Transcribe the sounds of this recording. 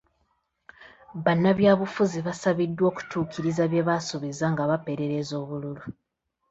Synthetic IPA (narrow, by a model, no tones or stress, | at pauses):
βanːaβjaːβufuziβasaβidːwo̞ːku̥tʰuːkiɾizaβje̞βasuβizaŋɡaβape̞ɾe̞ɾe̞zo̞ːβululu